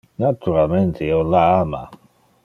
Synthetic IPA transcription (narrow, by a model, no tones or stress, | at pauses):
nat̪uɾalment̪ʰeiolaama̰